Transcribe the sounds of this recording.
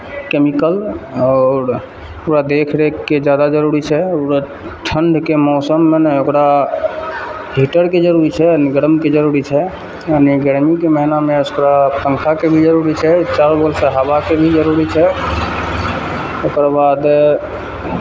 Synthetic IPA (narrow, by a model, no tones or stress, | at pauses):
kemikəlɔːɾ | okɾad̪ekʰɾeed͡ʒjad̪ad͡ʒəɾuɾit͡ʃʰɛoɾe | ʈʰəɳɖ̪ʱkemɔːsəmːenokɾa | ɦiʈəɾked͡ʒəɾuɾit͡ʃʰɛniɡəɾəmked͡ʒəɾuɾit͡ʃʰɛ | janiɡəɽmikemɛɦnamẽoskɾapə̃ŋkʰakebʱid͡ʒəɾuɾit͡ʃʰɛt͡ʃaːɾbolseɦabakebʱid͡ʒəɾuɾit͡ʃʰɛ | okɾabad̪